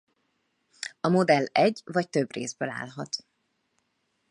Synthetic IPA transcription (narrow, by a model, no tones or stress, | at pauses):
ɒmo̞d̪ɛlːɛɟːvɒct̪ø̞brḛːzbøla̰ːlɦɒt̪